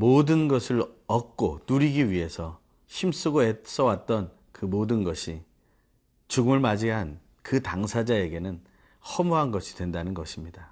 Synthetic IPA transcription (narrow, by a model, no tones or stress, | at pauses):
modɯnɡʌsʰɯɭʌk̚k͈onuɾiɡiɥiɦe̞sʰʌ | ɕʰims͈uɡoɦes͈ʌwat̚t͈ʌn | kɯmodɯnɡʌɕʰi | t͡ɕuɡɯmɯɭmad͡ʑiɦan | kɯtaŋsʰad͡ʑae̞ɡe̞nɯn | hʌmuɦanɡʌɕʰi̥dwe̞ndanɯnɡʌɕʰimɲida